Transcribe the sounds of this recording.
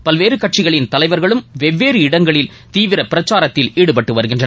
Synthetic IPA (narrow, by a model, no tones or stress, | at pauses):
pɐlʋeːɾɯkːɐʈ̚t͡ʃɪɣɐɭɪnt̪ɐlɐɪʋɐɾɣɐɭɯmʋɛʋːeːɾɯɪɽɐŋɡɐɭɪl | t̪iːʋɪɾɐpɪɾɐt͡ʃːaːɾɐt̪ːɪliːɽɯpɐʈːɯʋɐɾɯɣɪndrɐ